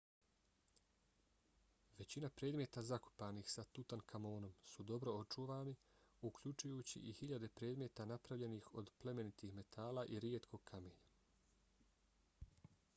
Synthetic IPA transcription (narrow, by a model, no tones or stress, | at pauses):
ʋe̞t͡ɕinapɾe̞ːd̪mje̞t̪azako̥paːnixsat̪ut̪ankʰamo̞ːno̞msud̪o̞bɾo̞ot͡ʃuːʋaːniukʎut͡ʃujuːt͡ɕḭʔihiʎad̪e̞pɾeːd̪mje̞t̪anapɾaʋʎe̞nixo̞d̪ple̞me̞nit̪ixme̞t̪ʰaːlaʔiɾjet̪kʰo̞ɡ̚kʰameːɲa